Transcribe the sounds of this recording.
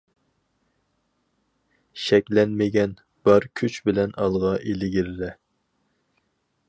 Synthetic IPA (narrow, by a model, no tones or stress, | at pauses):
ʃɛkʲlɛnmɪɡʲɛn | b̥ɑɾkʲʰyt͡ʃbɪlɛnɑlˠʁɑʔelɪɡʲiɾlɛ